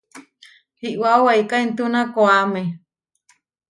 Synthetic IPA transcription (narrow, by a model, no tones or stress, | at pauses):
hiʔwaowaikaint̪unakoame